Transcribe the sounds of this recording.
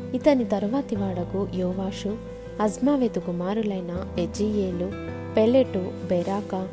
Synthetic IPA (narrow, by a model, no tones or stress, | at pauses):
it̪ɐnit̪ɐɾʋaːt̪iʋaːɽɐɡujɔːʋaːʃu | ɐzmaːʋeːt̪ukumaːɾulɐjnɐed͡ʒijeːlu | peleʈubeɾaːkɐ